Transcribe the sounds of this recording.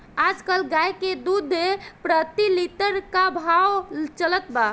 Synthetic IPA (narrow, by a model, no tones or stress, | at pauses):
ad͡ʒkəlɡajked̪ud̪ʱepɾət̪ilit̪əɾkabʱawt͡ʃələt̪ba